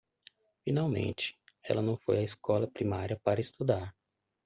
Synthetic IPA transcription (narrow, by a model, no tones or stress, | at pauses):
fĩnawmḛ̃nt͡ʃɪ̥ɛ̰lɐnɐ̃w̃fojɐeskɔlɐpɾimaɾiɐpaɾɐest̪ud̪aɾ